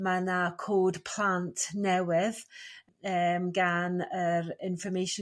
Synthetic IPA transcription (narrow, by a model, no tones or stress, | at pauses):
manakʰoːdpʰl̥ˠantʰnɛwɪð | əːmɡanəɾɪnfəmejʃ